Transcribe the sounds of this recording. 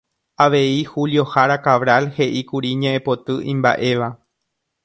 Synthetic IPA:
aʋe̞ihuljo̞haɾakaʋɾalhe̞ʔikuɾiɲẽʔẽpo̞t̪ɨʔĩmba̰ʔe̞ʋa

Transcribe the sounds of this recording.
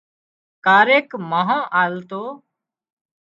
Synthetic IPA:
kaːɾeːkmaːɦãːʔaːlt̪oː

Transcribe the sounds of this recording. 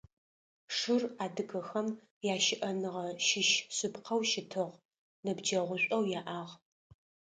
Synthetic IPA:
ʂɨraːdɨɡɐxɐm | jaːʃɪʔɐnɨʁɐʃɪʃɕɪpqʰɐwʃɪtʰɨʁ | nɐbd͡ʒɐʁʷʊɕʷʼɐwjaːʔaːʁ

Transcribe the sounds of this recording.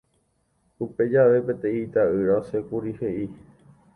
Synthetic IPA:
upe̞d͡ʒaʋe̞pet̪ẽit̪aɨɾaosekuɾihe̞ʔi

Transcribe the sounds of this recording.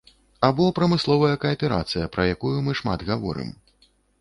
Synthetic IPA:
abɔpɾɐmɨslˠɔvɐjɐkɐɐpʲɛɾa̰t̪sɨjɐpɾɐjakujumɨʂma̰d̪ɣavɔ̰ɾɨ̰m

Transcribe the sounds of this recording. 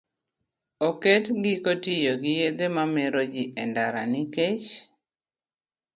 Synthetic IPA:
oketɡikotɪjoɡɪjed̪emamɛɾod͡ʒɪʔɛndaɾa̰nɪket͡ʃ

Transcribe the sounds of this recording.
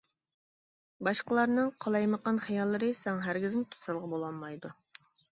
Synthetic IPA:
bɑʃqəlˠɑɾnɨŋqʰɑlˠɑjməqɑnχɑjɑlˠːɨɾɨsæŋɦæɾɡʲɪzmɪt̪ʰu̥sɑlˠʁɑbolˠɑlmɑjd̪u

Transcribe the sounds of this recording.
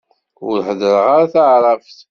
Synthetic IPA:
ʊ̰ɾħəðəɾəʁaɾaθaʕɾˤɑfθ

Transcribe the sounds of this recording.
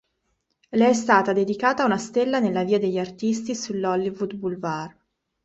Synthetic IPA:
lɛɛst̪aːt̪ad̪ed̪ikaːt̪aːunast̪elːanelːaviːad̪eʎːiart̪ist̪isulːɔlːivud̪bulvar

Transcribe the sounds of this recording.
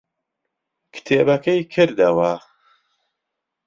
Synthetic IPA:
kʰt̪ʰeːbɐkʰɐjkʰɨɾd̪ɐwɐ

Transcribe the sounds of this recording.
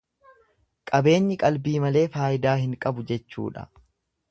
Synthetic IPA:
kʼɐbe̞ːɲːɪkʼɐlbiːmɐle̞ːfaːjɪd̪aːhɪŋkʼɐbʊd͡ʒɛt͡ʃːṵːᶑɐ̰

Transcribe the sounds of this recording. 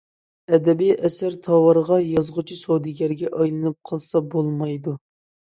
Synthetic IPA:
ɛd̪ɛbijʔɛsæɾt̪ʰɑwɑɾʁɑjɑzʁʊt͡ʃʰisowd̪ɪɡʲɛɾɡʲɛʔɑjlˠɨnɨp̚qʰəlˠsɑbolˠmɑjd̪u

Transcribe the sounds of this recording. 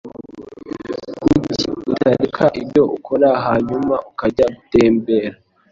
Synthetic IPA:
kuciutaɾekʰaʔibɟo̞ʔukʰoɾaɦaːɲumaʔukaɟaɡuteːmbeːɾa

